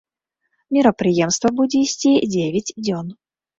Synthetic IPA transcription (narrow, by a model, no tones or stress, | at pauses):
mʲiɾɐpɾɨjɛmst̪vɐbud͡zʲɛisʲt͡sʲid͡zʲevʲɛt͡sʲd͡zʲɔn